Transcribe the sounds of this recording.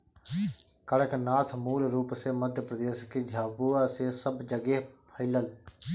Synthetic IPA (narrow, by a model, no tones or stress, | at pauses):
kəɽəknaːt̪ʰmuːlɾuːpseːməd̪ʱjəpɾəd̪eːsked͡ʒʱaːbuːaːseːsəbd͡ʒəɡeː | pʰəɪləl